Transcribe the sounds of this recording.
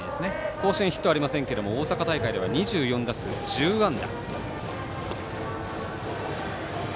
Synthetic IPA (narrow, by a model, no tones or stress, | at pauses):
d̪esɨne̞ko̞ːɕĩɰ̃çʲi̥t̪ːoaɾʲimasẽŋke̞d̪o̞mo̞oːsakat̪aikaid̪e̞βaɲ̟iʑɨːjõ̞nd̪asɨd͡ʑɨːβãnd̪a̰